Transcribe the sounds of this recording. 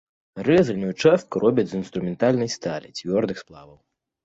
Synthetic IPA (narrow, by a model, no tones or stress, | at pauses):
rɛzɨnʲɛjut͡ʂɛst̪̚kuɾʔɔbʲɐd͡zʲzinst̪ɾumʲɛnt̪alʲnɐjst̪alʲḭt͡sʲvʲɔrd̪ɨxsplˠavɐw